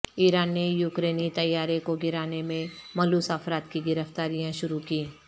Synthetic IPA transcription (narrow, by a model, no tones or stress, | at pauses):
iːɾaːnːejuːkɾeːnit̪ɐjːaːɾekoɡɪɾaːnemẽmɐluːsəfɾaːt̪kiɡɪɾəft̪aːɾijãʃʊɾukiː